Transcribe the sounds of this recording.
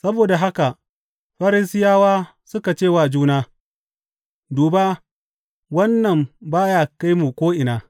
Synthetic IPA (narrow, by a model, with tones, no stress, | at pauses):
sɐ˦boː˨da˨ɦa˦ka˨ʔ | ɸɐ˦ɾɪ˦sɪ˦jaː˦waː˦ | sʊ˦ka˨t͡ʃeː˦˨waː˨d͡ʒuː˦naː˦ | duː˨ba˦ | wɐ˦nːɐ˨mbaː˦jaː˦ka˦jmu˨kʷoː˦ʔɪ˨naː˨